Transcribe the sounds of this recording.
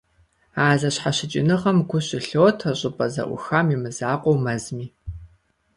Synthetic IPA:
aːzɐɕħaɕɪt͡ʃʼɪ̰nɨʁɐmɡʷʊɕʼɪɬowːtʰɐɕʼɪpʼɐzɐ̰ʔʷʊ̰xaːmimɨzaːqʷʼowmɐzmiː

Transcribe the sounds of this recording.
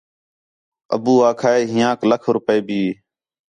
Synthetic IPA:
ə̰buːaːkʰaːeːɦɪ̃jãːkləkʰɾʊpəeːbiː

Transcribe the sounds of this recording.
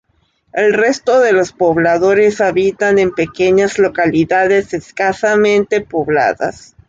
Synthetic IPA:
e̞lre̞st̪o̞ðe̞lo̞spo̞β̞laðo̞ɾe̞saβit̪anempe̞ke̞ɲazlo̞kaliðaðeseskasamẽ̞nt̪e̞po̞βla̰ða̰s

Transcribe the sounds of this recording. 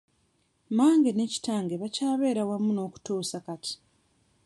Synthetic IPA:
maːŋɡe̞ne̞ːci̥taːŋɡe̞βacaːβe̞ːɾawamuno̞ːku̥toːsakati̥

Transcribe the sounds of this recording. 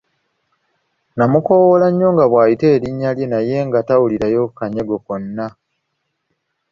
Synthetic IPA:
namuko̞wolaɲːo̞ŋɡaβwaːjite̞ːɾiɲːaljenaje̞ŋɡatawuliɾajo̞kaɲe̞ɡo̞konːa

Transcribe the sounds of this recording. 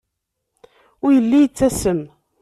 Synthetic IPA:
ʊɾjəlːijət͡sːæsəm

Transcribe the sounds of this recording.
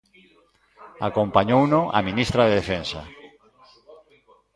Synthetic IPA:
akompaɲownoʔa̰minist̪ɾaðeðefẽnsa̰

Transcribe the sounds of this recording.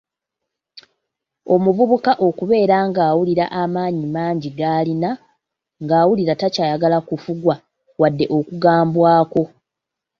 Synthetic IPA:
o̞muvuβukaʔo̞kuβe̞ːɾaːŋɡaːwuliɾaʔamaːɲimaːɲɟiɡalina | ŋɡaːwuliɾatacaːjaɡalakufuɡwa | wadːe̞ʔo̞kuɡaːmbwaːko̞

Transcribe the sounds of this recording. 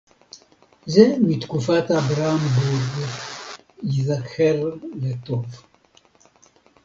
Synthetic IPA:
zɛmit̪kufat̪abɾambuɾɡ | jiðakʰːɛɾlet̪ov

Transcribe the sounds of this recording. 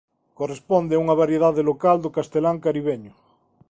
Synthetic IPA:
korespond̪eauŋaβ̞aɾjeðaðelokald̪okast̪elaŋkaɾiβ̞eɲo

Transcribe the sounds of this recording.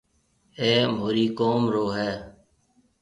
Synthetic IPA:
eːmoːɾiːkoːmɾoːɦɛː

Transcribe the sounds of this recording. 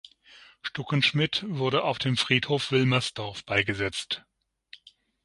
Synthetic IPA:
ʃtɔkənʃmɪtv̥ʊɐɾəʔaʊfd̥eːmfʁ̥iːthoːfv̥ɪlmɐsd̥ɔɐfb̥aɪɡəzɛt͡st

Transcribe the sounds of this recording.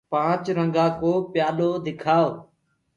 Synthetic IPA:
pãːt͡ʃɾəŋɡãːkoːpjaːloːd̪ɪkʰaːoː

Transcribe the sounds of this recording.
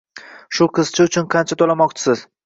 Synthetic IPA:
ʃʊqʰɨz̥t͡ʃʰɪʊt͡ʃʰʊnqʰɑnt͡ʃʰat̪ʰolamɒqt͡ʃʰɪ̥sɪz̥

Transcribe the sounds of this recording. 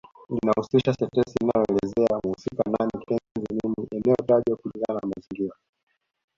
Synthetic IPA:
linahusiʃasɛtɛsinajɔɛlɛzɛamuhusika̰namitɛnzimimiʔɛnɛɔtaʄwakuliŋɡananamaziŋɡiɾa

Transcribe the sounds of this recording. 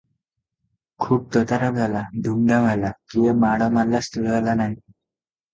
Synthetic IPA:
kʰuːp̚t̪ət̪aɾab̚d͡zʱalad̪ʱumɖamʱalakiʋamaɽamalːast̪əɭalanaɦi

